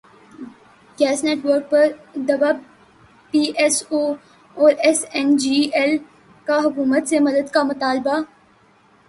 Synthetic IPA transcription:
ɡɛːsneːʈʋəɾk̚pɐɾd̪ɐbab | piːʔɛsoː | ɔːɾɛsɛnd͡ʒiɛl | kaɦʊkuːmət̪semɐd̪əd̪kamʊt̪aːlba

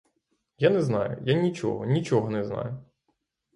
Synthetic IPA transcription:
janɛznɑjʊ̰janʲit͡ʃɔ̰ɦɔnʲit͡ʃɔɦɔnɛznɑ̰jʊ

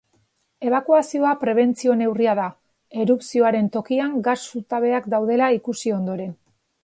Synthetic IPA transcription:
e̞β̞akuasio̞apɾe̞β̞e̞nt͡sio̞ne̞wriaða | e̞ɾupsio̞aɾe̞nt̪o̞kiaŋɡasut̪aβe̞akd̪awðe̞laikusio̞nd̪o̞ɾe̞n

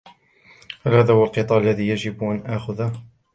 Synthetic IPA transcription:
halhaːðaːhwalqɨt̪ˤɑːʔalːaðiːjad͡ʒɪbʔanʔaːxʊða

